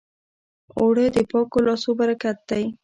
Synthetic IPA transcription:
oɽəd̪əpɑkolɑsobaɾakat̪̚d̪aj

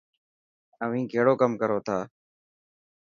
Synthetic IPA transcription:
əʋ̤ĩːkeːɽoːkəmkəɾoːt̪ʰaː

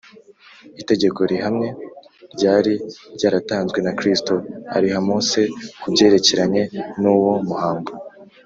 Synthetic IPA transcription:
ite̞ɟe̞ko̞ɾihamŋe̞ | ɾɟaːɾiɾɟaːɾataːnzɡwe̞nakɾistoa̰ɾihamose̞kubɟe̞ːɾe̞ce̞ɾaɲe̞nuwomuhaːŋɡo

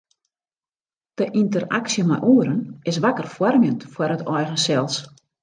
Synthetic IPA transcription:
d̥əʔintəra̰ksjəmɛ̰jʔuəɾənɪsʋakərfwɔrmjəntfwarətʰɔjɣəsɛlˠs

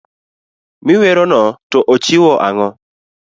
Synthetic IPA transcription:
mɪwɛɾɔnɔtɔʔot͡ʃiwɔʔaŋɔ

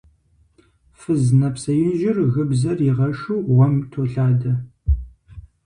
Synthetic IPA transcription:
fɨznɐpsɐjɪnʒɪrɣɨbzɐrjɪʁɐʃuːʁʷɔmtʰoːɬaːdɐ

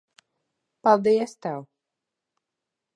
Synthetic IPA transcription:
palˠd̪iɛst̪aw

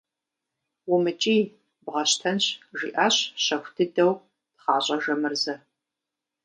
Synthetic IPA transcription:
wʊmɨt͡ʃʼiː | bʁɐɕtʰɐnɕʒiːʔaɕɕɐxʷdʰɨdɐw | d̥χɑːɕʼɐʒɐmɨrzɐ

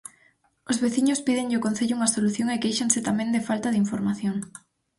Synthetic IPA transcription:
ozβeθiɲospiðeŋʎɪʊkonθeʎʊuŋɐsoluθjoŋekejʃansɪt̪amɛ̃nd̪ɪfalt̪aðiɱfoɾmaθjoŋ

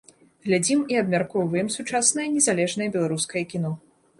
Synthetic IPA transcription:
ɣlʲad͡zʲimiɐbmʲarkujvɐjimsut͡ʂasnɐjɐnʲɛzalʲɛʐnɐjɐbʲɛlˠaɾuskɐjɐkʲinɔ

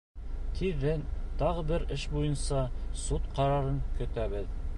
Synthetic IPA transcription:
t̪ʰiðːɘnt̪ɑʁɤbɘɾɘʃbujɤnsɑsut̪qɑɾɑɾɤŋkɵ̆t̪æβɘð

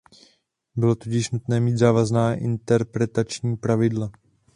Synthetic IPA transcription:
bɪlo̞t̪ocɪʃnut̪nɛːmiːd̪zaːvaznaːʔɪnt̪ɛɾpɾɛt̪at͡ʃɲiːpɾavɪdla

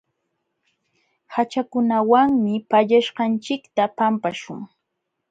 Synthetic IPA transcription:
hat͡ʃakʊnawaŋmɪpaʎaʃɢɑnt͡ʃɪkt̪apampaʃʊŋ

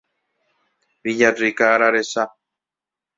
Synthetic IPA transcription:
βijarikaːɾaɾesa

